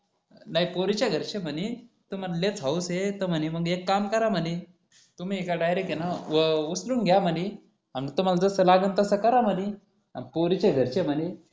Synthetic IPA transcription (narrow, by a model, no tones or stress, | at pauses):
naipoɾit͡ɕaɡʱəɾt͡ɕeməni | t̪um̤allet͡sɦauset̪əm̤əniməɡekːamkəɾam̤əni | t̪um̤iːkaɖajɾekjenaʋəusluːnɡʱjaməni | amit̪um̤alad͡zəsəlaɡənt̪əsəkəɾaməni | a̰npoɾit͡ɕeɡʱəɾt͡ɕem̤əni